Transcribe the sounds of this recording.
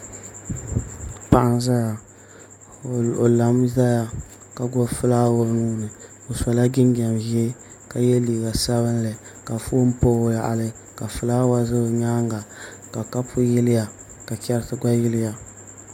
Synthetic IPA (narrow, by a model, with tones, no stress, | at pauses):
pa˦ʔa˦nza˦ja˨ | o˨la˨mza˦ja˨ | ka˨ɡɔ˦fɨ˦laː˦wo˦nuː˦nɨ˨ | o˨sɔ˨la˦ɡɪ˦ŋɡa˨mvi˦e˦ | ka˨jɛ˦liː˨ɡa˨sa˦βɨ˦nlɨ˨ | ka˨fo˦m˦po˦ja˨ʔa̰˨lɨ˦ | ka˨fɨ˨laː˦wa˦zɨ˦˨ɲaː˦ŋ˦ɡa˨ | ka˨ka˦pʰʊ˦jɪ˦lɪ˦ja˨ | ka˨kʲɛ˦ɾtɨ˦ɡa˦jɪ˦lɪ˦ja˨